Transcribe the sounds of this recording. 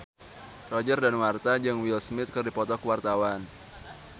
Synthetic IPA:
rɔd͡ʒərdanwart̪ad͡ʒɨŋwilsmɪt̪̚kɨrdipɔt̪ɔkəwart̪awan

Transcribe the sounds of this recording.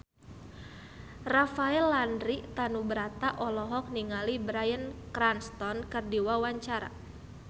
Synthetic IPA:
rafaɛlːandɾiʔt̪anubəɾat̪aʔɔlɔɦɔk̚niŋalibɾajənkɾanst̪ɔnkərdiwawaɲt͡ʃaɾa̰

